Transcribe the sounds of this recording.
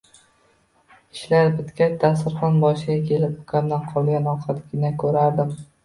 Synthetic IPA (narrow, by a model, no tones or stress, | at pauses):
ɪʃlaɾbɪt̪kʲat̪ʰasɪɾχɒnbɒʃɪɡʲakʲʰe̞lɪpʊkʲʰamd̪anqʰɒlˠɡʲanɒqʰat̪ɡʲɪnakʰɵɾaɾd̪ɪm